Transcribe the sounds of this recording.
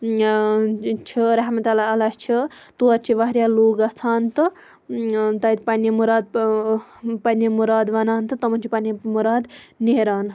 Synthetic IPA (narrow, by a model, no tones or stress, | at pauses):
t͡ʃʰiɾɐɦmɐt̪ɐlaɐlat͡ʃʰit̪uɐɾt͡ʃʰiʋaɦɾjaːloːɡɐt͡sʰaːnt̪ɨ | t̪ɐit̪pɐnimuɾaːd̪̚ | pɐnimuɾaːd̪ʋɐnaːnt̪ɨt̪ɐmɐnt͡ʃʰipɐnimuɾaːd̪neɾaːn